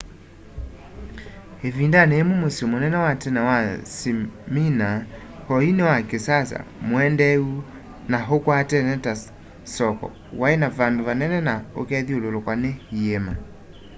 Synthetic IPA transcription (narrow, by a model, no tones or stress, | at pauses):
evindanɛemomosiomonɛnɛwatɛnɛwasimina | hɔinɛwakesasa̰moɛndɛu | naɦokwatɛnɛta | sɔkɔ̰ | waenavandovanɛnɛnaokɛðiololokwanɛhiɛma